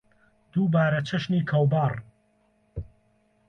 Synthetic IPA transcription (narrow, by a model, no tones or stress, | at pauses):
d̪̥uːbaːɾɐt͡ʃʰɐʃniːkʰɐwbaːr